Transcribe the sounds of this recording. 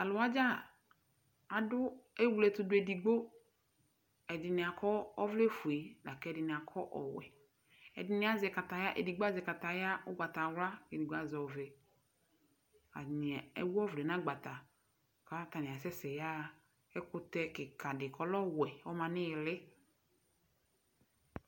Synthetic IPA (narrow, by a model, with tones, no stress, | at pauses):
a˨lʊ˨a˦d͡ʒa˦ | a˨dʊ˦e˦wu˨lɛ˨tʊ˨dʊ˦e˨di˨ɡ͡bo˦ | ɛ˨dɪ˨nɪ˨a˨kɔ˦ɔ˦vle˦fu˨e˨la˨kɛ˨dɪ˨nɪ̃˨a˨kʰɔ˦ʔɔ̰˨wɛ̰˨ | ɛ̰˨dɪ˨˦nɪ̃˦a˦zɛ˨ka˨ta˨ja˦ʔḛ˨di˨ɡ͡ba˦zɛ˨ka˨ta˨ja˦ʊ˦ɡ͡ba˨ta˨wla˦e˨di˨ɡ͡ba˦zɔ˨vɛ˨ | a̰˨nɪ˨ḛ˦wu˦ɔ˦vle˨nã˦ɡ͡ba˨ta˨ | ka˦ta˨nɪ̃˨a˨sɛ˦sɛ˨ja˦ | ɛ˦kʊ˦tɛ˦kɪ˨kʰa˨dɪ˨kʰɔ˨lɔ˦wɛ˨ɔ˦mã˨nɪ˦ɪ˨lɪ˦